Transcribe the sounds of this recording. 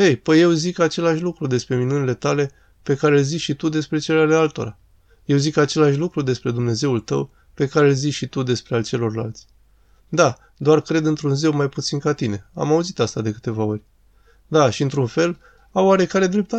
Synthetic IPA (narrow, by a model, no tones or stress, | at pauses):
ejpəje̞wzikat͡ʃe̞laʃʲlukɾud̪e̞spɾe̞minunile̞t̪ale̞ | pe̞kaɾe̞lziʃit̪ud̪e̞spɾe̞t͡ʃe̞leale̞alt̪o̞̰ɾa̰ | je̞wzikat͡ʃe̞laʃ̬ʲlukɾud̪e̞spɾe̞d̪umne̞ze̞ult̪ə̰w | pe̞kaɾelziʃit̪ud̪e̞spɾe̞alt͡ʃe̞lo̞rla̰lt̪sʲ | d̪a | d̪oarkɾe̞d̪ɨnt̪ɾunzewmajput̪sinkat̪ine̞a̰mauzit̪ast̪ad̪e̞kɨ̥t̪e̞vao̞rʲ | d̪aʃiɨnt̪ɾunfe̞l | awaɾe̞kaɾe̞d̪ɾe̞p̚t̪a